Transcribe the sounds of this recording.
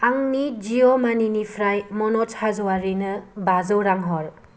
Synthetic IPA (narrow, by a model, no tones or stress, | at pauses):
aŋnid͡ʒiomaninipʰɾajmɔnɔthazɔwaɾinɯbazɔwɾaŋɦɔɾ